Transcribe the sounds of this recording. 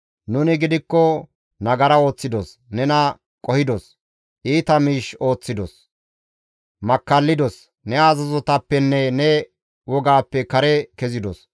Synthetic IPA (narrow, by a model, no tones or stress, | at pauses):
nʊnɪɡɪd̪ɪkːɔ | nɐɡɐɾɐo̞ːt͡sːɪd̪os | nɛnɐ | kʼɔhɪd̪ɔs | ʔiːt̪ɐmiːʃo̞ːt͡sːɪd̪ɔs | mɐkːɐlːɪd̪ɔs | nɛazɐzɔt̪ɐpːɛnːɛnɛ | wɔɡaːpːɛkɐɾɛkɛzɪd̪ɔs